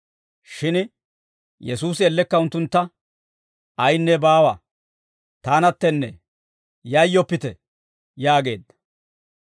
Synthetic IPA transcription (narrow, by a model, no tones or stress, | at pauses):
ʃɪn | jɛsuːsɪɛlːɛkːɐʊnt̪ːʊnt̪ːɐ | ɐjnːɛbaːwɐ | t̪aːnɐt̪ːɛnːɛ | jɐjːɔpːɪt̪ɛ | jaːɡe̞ːd̪ːɐ̥